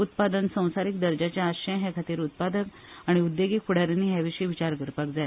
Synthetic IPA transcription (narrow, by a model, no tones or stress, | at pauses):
ut̪̚pad̪ənsə̃w̃saɾik̚d̪əɾd͡ʑat͡ɕjaːɕəj̃ɦjakʰat̪iːɾut̪̚pad̪ək | aɽ̃iud̪ːeɡikʰuɽ̤aɾanːiːɦjaʋiɕəiʋit͡ɕaɾɡəɾpak̚d͡zaja